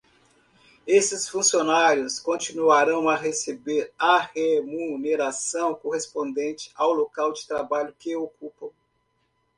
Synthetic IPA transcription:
esɪsfũsionaɾjʊskõt͡ʃinuaɾɐ̃w̃aɦesebeɾahemuneɾasɐ̃w̃koɦespõnd̪ẽnt͡ʃɪ̥awlokawd͡ʒɪ̥t̪ɾabaʎʊkeokupɐ̃w̃

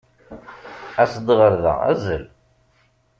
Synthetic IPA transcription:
æsəd̪ʁəɾðæ̰æ̰zəl

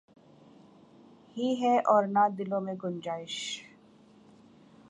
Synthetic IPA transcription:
hiɦɛʔɔːɾnad̪ɪlõmẽɡʊnd͡ʒaːɪʃ

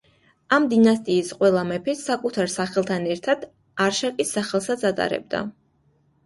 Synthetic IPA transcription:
amd̪inast̪ʼiːsqʼwɛlˠamɛpʰɛssakʼut̪ʰaɾsaχɛlˠt̪ʰanɛɾt̪ʰad̪̥ | aɾʃakʼisːaχɛlˠsat̪sʰat̪ʼa̰ɾɛ̰b̚d̪a̰

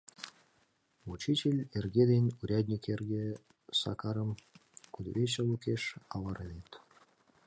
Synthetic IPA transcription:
ut͡ɕit͡ɕʲelʲerɡʲed̪enʲuɾʲad̪ʲnʲikʲerɡʲe | sɑ̰kɑɾəmkud̪βʲet͡ɕɤlˠukʲeʃɑlɑɾenʲet̪

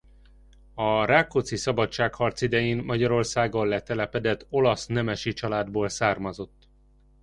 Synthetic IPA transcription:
ɒraːkːot̪sisɒbɒtt͡ʃaːkhɒrt̪sid̪ɛjeːnmɒɟɒɾo̞rsaːɡolːɛt̪ɛlɛpɛd̪ɛt̪ːo̞lɒsnɛmɛʃit͡ʃɒlaːd̪boːlsaːrmɒzo̞t̪ː

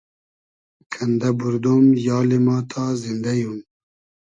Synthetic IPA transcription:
kʰɐnd̪ɐbuɾd̪omjɑːlimɑːt̪ʰɑːzind̪ɐjun

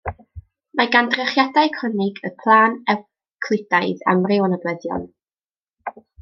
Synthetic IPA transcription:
maɡandrɛχjadaɨkʰənɪɡəpʰlˠaːnɛ | kʰl̥ˠɪd̥ajða̰mrɪwɔnəbwɛðjɔ̰n

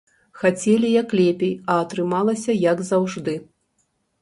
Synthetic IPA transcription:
xat͡sʲɛlʲijɐklʲɛpʲijɐːt̪ɾɨmalˠɐsʲɐjɐɡzawʐd̪ɨ

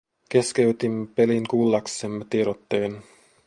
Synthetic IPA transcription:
k̟e̞skeyt̪imːepeliŋkulːɑksemːet̪ieɾot̪ːeːn

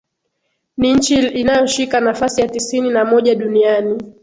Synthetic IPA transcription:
niɲ̩t͡ʃiinajɔʃikanafasijatisininamɔʄaɗuniani

